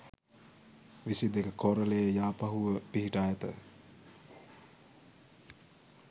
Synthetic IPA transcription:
ʋisid̪ekəkoɾəlejəjaːpaɦuʋəpiɦiʈajət̪ə̰

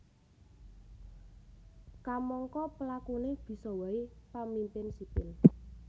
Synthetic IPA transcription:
kamɔŋkɔpəlakuneb̥i̤sɔwaipamimpɪnsipɪl

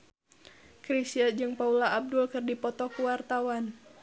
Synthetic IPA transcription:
kɾisiəd͡ʒɨŋpaulaːb̚dʊlkɨrdipɔt̪ɔkuwart̪awan

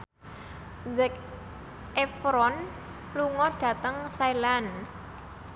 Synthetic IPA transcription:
zɛk | efɾɔn | luŋɔɖ̥ä̤t̪əŋsailan

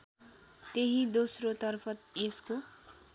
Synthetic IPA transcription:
t̪eɦid̪osrot̪ʌrpʰʌt̪esko

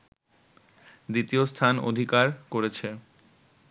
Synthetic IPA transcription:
d̪it̪iost̪ʰano̰d̪ʱikaɾkoɾet͡ɕʰe

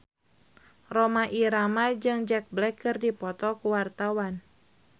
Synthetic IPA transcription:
romaʔiɾamad͡ʒɨŋd͡ʒɛk̚blɛkɨrdipɔt̪ɔkuwart̪awan

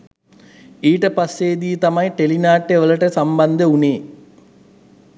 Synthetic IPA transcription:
iːʈəpasːeːd̪iːt̪amajʈelinaːʈːeʋələʈəsamband̪əuneː

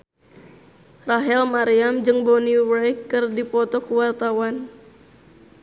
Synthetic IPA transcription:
raɦɛlmaɾiamd͡ʒɨŋbɔniwajkːɨrdipɔt̪ɔkəwart̪awan

